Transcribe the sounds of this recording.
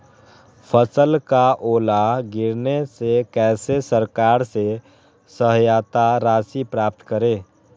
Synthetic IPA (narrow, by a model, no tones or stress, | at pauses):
pʰəsəlkaʔoːlaɡɪɾnesekɛːsesəɾkaːɾse | səɦjaːt̪aɾaːsipɾaːp̚t̪kəɾẽː